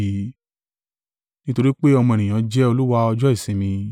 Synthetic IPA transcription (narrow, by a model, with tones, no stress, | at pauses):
i˧ | nĩ˦to˧ɾi˦k͡pe˦ɔ˧mɔ̃˧˨nĩ˨j̃ã˨˦d͡ʒɛ˦o˧lu˦wa˧ɔ˧d͡ʒɔ˦i˦˨sĩ˨˦mĩ˧